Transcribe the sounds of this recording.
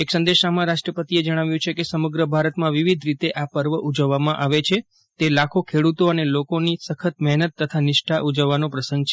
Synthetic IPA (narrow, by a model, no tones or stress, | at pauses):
eksə̃nd̪eʃamãɾaʃʈɾəpət̪ied͡ʒəɽ̃aʋjũt͡ʃʰekesəməɡɾəbʱaɾət̪mãʋiʋid̪ʱɾit̪eʔapəɾʋəʔud͡ʒəʋːamãʔaʋet͡ʃʰe | t̪elakʰokʰeɽut̪oənelokonisəkʰət̪̚mɛɦnət̪ːət̪ʰanɪʃʈʰaʔud͡ʒəʋːanopɾəsə̃ŋɡt͡ʃʰe